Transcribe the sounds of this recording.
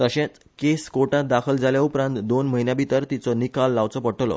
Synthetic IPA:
t̪əɕẽt͡s | keskoʈãt̪̚d̪akʰəld͡zʱaljaupɾãnt̪d̪onməɦinjabʱit̪əɾt̪it͡sɔnikalːaʋt͡sɔpəʈʰlɔ̰

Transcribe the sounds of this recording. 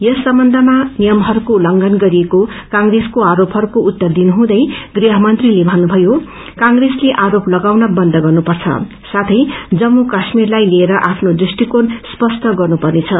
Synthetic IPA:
jʌsːʌmbʌnd̪ʱʌmanijʌmɦʌɾukolʌŋɡʌnɡʌɾieko | kãŋreskoaɾopɦʌɾukout̪ːʌrd̪inɦũd̪ʌjɡriɦʌmʌnt̪rilebʱʌnːubʱʌjo | kãŋɡresleʔaɾoplʌɡawnʌbʌnd̪ʱʌɡʌrnupʌrt͡sʰʌ̰ | sat̪ʰʌjd͡zʌmːukasmirlajlieɾʌʔapʰnod̪risʈikonspʌst̪ʰʌɡʌrnupʌrnet͡sʰʌ

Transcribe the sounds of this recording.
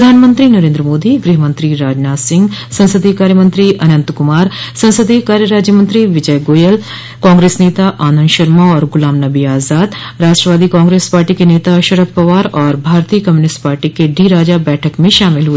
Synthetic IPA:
pɾɐd̪ʱaːnmə̃nt̪ɾinɐɾẽːnd̪ɾəmoːd̪iɡɾiɦəmə̃nt̪ɾiɾaːd͡ʒnaːsɪ̃ŋɡsɐ̃nsəd̪ʱikaːɾjəmə̃nt̪ɾiʔɐnə̃nt̪kʊmaːɾsɐ̃nsəd̪ikaːɾjəɾaːd͡ʒjəmə̃nt̪ɾiʋɪd͡ʒəjɡoːjəl | kaːŋɡɾeːsneːt̪aʔaːnənʃɐɾmaɔːɾɡʊlaːmnɐbiaːzaːd̪ɾaːʃʈɾəʋaːd̪ikãːŋɡɾeːspaːɾʈikeneːt̪aʃɐɾəppɐʋaːɾɔːɾbʱaːɾt̪ijəkɐmjuːnɪsʈpaːɾʈikeɖiːɾaːd͡ʒabɛːʈʰəkmẽʃaːmɪlɦu

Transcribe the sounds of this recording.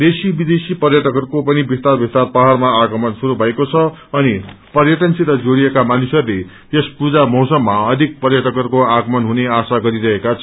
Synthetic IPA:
d̪esibid̪esipʌrjʌʈʌkʌrkopʌnibist̪arbist̪arpaɦarmaaɡʌmʌnsuɾubʱʌekot͡sʰʌʌnipʌrjʌʈʌnsiɾʌd͡zoɽiekamanusʌrle | espud͡zamʌwsʌmːaʌd̪ʱik̚pʌrjʌʈʌkʌrkoaɡʌmʌnɦuneasaɡʌɾiɾʌɦekat͡sʰʌ

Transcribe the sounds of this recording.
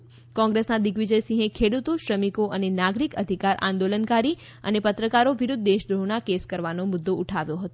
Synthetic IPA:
kɔ̃ŋɡɾesnad̪iɡʋid͡ʒəjsĩɦẽkʰeɽut̪uʃɾəmikoʔənenaɡɾikəd̪ʱikaɾʔã̰nd̪olənkaɾi | ə̰nepət̪ɾəkaɾoʋiɾud̪ʱːeʃd̪ɾoɦnakeskəɾʋanomud̪ːouʈʰaʋjoɦət̪o

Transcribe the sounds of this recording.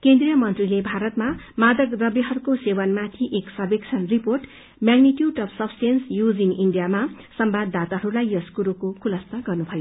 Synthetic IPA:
kend̪rijʌmʌnt̪rilebʱaɾʌt̪ma | mad̪ʌkd̪ʌbjiɦʌɾukosewʌnmat̪ʰiʔeksʌbeksʰʌnriporʈ | mjaɡniʈjuɖʌbʰsʌbsʈensjud͡ziniɳɖijama | sʌmbad̪ːat̪aɦʌɾulajjʌskuɾukokʰulʌst̪aɡʌrnubʱʌjo

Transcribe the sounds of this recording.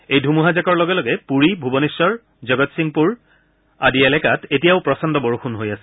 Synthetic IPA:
ejdʱumuɦazakɔɹlɔɡɛlɔɡɛpuɹibʱubɔnisɔɹ | zɔɡɔtsiŋpuɹ | adiɛlɛkatʰetijaʊpɹɔsɔndɔboɹuxunɦojasɛ

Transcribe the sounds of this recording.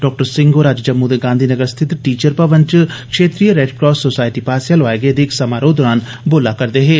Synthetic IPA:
ɖɔːk̚ʈəɾsɪ̃ŋɡoːɾaːd͡ʒd͡ʒɐmːuːd̪eɡãːnd̪ʱinəɡəɾst̪ʰɪt̪ʈiːt͡ʃəɾpɐʋə̃nt͡ʃkʃeːt̪ɾijəɾeːɖkɾɔːssosaːɪʈipaːsjalʋaːeɡed̪eksɐmaːɾod̪ɔːɾaːn | boːlakɐɾd̪eɦẽː

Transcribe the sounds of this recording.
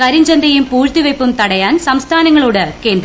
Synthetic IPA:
kɐɾiɲd͡ʑɐnd̪ɐjumpuːɻt̪iʋɐjpːumt̪ɐɽɐjaːnsɐmst̪ʰaːnɐŋːɐɭuːɽeke̞ːnd̪ɾ

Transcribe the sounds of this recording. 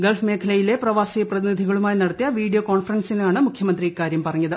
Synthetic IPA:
ɡelfme̞ːkʰɐlɐjile̞prɐʋaːsijɐprɐðinid̪ʱiɣɐɭumaːjnɐɽɐt̪ːijɐʋiːɖijoko̞ːɳfɐrɐnsilaːɳɨmukʰjɐmɐnd̪rikaːɾjɐmpɐrɐɲːɐðɨ

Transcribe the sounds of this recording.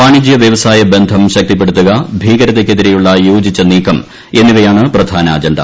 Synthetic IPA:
paːɳid͡ʑjɐʋjɐʋɐsaːjɐbe̞nd̪ʱɐmɕɐk̚t̪ip̬ːe̞ɽut̪ːuɣɐbʱiːɡɐɾɐðekʲːe̞ðiɾe̞juɭːɐjoːd͡ʑit͡ɕːɐniːkːɐm | e̞nːiʋɐjaːɳɨprɐd̪ʱaːnɐːd͡ʑɐɳɖɐ̰

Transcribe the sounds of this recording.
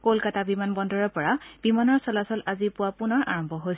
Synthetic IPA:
kolkatabimanbɔndɔɹɔɹpɔɹab̥imanɔɹsɔlasɔlazipʊwapʊnɔɹʔa̰ɹɔmbʱɔɦojs

